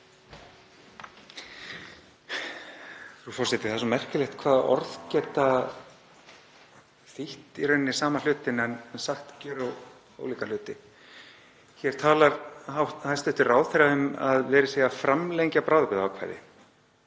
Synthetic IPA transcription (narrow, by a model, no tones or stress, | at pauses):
θufɔr̥sɛt̪ɪ̥θasɔmɛr̥cɪlɛxt̪kʰvaːðɔ̰ɾðcɛt̪ːa | θiht̪iɾœɥnːɪ̥saːmal̥ʏːt̪ɪnɛnnsaxt̪cɛːɾa | o̰ːwliːkal̥ʏːt̪ɪ | çɛɾ̥t̪ʰaːlaɾhawhast̪ɛht̪ɪraːwðθɛɾaʏma̰ðvɛːɾɪseːjɣafɾamlejɲcapɾaːwðpɪðaawkʰva̰jðɪ̰